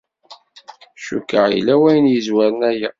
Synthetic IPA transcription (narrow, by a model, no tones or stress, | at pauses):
ʃukːəʁḭlːæwæjənjəzwæɾənæjæ